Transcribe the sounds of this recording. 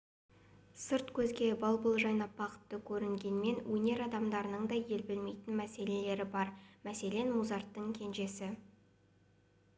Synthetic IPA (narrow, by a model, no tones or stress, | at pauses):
səɾt̪kʲʰɵzɡʲe̞bɑlˠbəlˠʒɑjnɑpbɑqə̥t̪ːəkʲʰɵɾɪŋɡʲe̞nme̞nwʔɵne̞ɾɑd̪ɑmd̪ɑɾənəɴd̪ɑje̞lbɪlme̞jt̪ɪnmæse̞le̞le̞ɾɪbɑɾmæse̞le̞nmuzɑɾt̪ːəŋkʲʰe̞nʒe̞sɪ